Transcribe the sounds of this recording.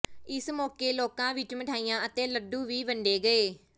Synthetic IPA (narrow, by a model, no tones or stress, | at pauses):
ɪsmɔːkeːloːkãːʋɪt͡ʃməʈʰaːijãːət̪ẽːləɖũːʋiːʋəɳɖeːɡəeː